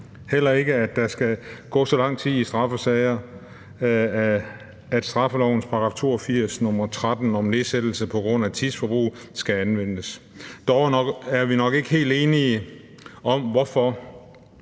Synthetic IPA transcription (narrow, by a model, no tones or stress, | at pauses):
hel̰ɐe̝ɡ̥əæd̥ːɑ̈sɡ̥æɡ̥ɔ̰̽ːsɒ̽lɑ̈ŋ̰t͡sʰið̰ˠisd̥ʁɑ̈fəsɛɪɐ | æd̥sd̥ʁɑ̈fəlɒʊn̩spʰɑ̈ɡ̥ɑ̈ːft͡sʰo̝̰ːɒfiɐ̰snɔ̽mɐt͡sʰʁad̥n̩ɒ̽mne̝ðsed̥l̩səpʰɒ̽ɡ̥ʁɔ̽n̰æt͡sʰisfɒ̽b̥ʁṵːsɡ̥æænʋen̰əs | d̥ɒʊɡ̥æɐʋinɒ̽ɡ̥e̝ɡ̥əhe̝̰ːld̥e̝ːni | ʔɒ̽mʋɒfɒ